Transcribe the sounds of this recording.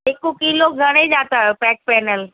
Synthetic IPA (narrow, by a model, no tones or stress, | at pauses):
ekokiːloɡʱɐɽ̃ed͡ʑaːt̪aopɛːk̚pɛːnəl